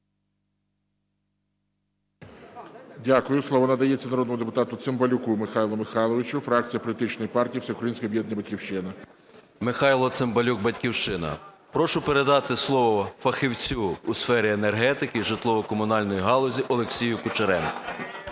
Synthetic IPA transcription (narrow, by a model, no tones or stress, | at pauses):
dʲakʊjʊsˠɔʋɔnɐd̪ɐjɛt͡sʲːɐnɐɾɔd̪nmʊd̪epʊt̪ɑt̪ʊt̪sɪmbɐlʲʊkumɪxɑjlˠɔmɪxɑlˠɔʋɪt͡ʃʊfɾɑk̚t͡sʲijɐpɔlʲit̪ɪt͡ʃnɔjipɑrtʲijiwsʲɛʊkɾɐjinʲsʲkɐjɔbjɛd̪njɐbɐtʲkʲiwʃt͡ʃɪnɐ | mɪxɑjlˠɔt̪sɪmbɐlʲuɡ̚bɐtʲkʲiwʃt͡ʃɪnɐ̰ | pɾɔʃʊpeɾe̞d̪ɑt̪ɪslˠɔʋɔfɐxɪwt͡sʲuːsfɛɾʲienerɦɛt̪ɪkɪʒɪt̪lˠɔʋɔkɔmʊnɑlʲnɔjiɦɑlˠɔzʲiʔɔlˠeksʲijʊkʊt͡ʃeɾɛmkɔ̥